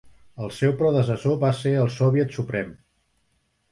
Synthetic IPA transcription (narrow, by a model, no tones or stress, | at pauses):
əlˠsɛwpɾɔðəs̬əsoβaseəlˠsɔβijət̪supɾɛm